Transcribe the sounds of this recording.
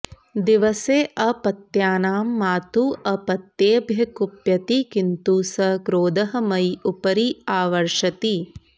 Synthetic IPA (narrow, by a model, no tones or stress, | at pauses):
d̪iʋɐseːʔɐpɐt̪jaːnaːmːaːt̪uːɐpɐt̪jeːbʱjɐkupjɐt̪ikint̪uːsɐkɾoːd̪ɐɦɐ̆mɐjupɐɾiaːʋɐɾʂɐt̪i